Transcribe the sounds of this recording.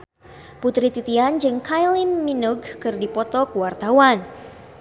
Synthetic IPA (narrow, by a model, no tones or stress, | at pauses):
put̪ɾit̪it̪iand͡ʒɨŋkajlimːinuɡkɨrdipɔt̪ɔkəwart̪awan